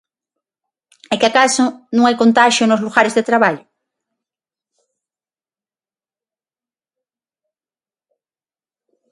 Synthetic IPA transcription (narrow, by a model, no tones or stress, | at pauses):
ɛkɪakasʊnõŋajkõnt̪aʃjonozluɣaɾezðet̪ɾaβaʎʊ